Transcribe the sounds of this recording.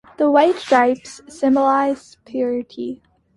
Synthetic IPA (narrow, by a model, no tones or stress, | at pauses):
ðəwaɪtd̥ɹaɪpsːɪ̃məlaɪz̥pʰjʊɹəɾʰi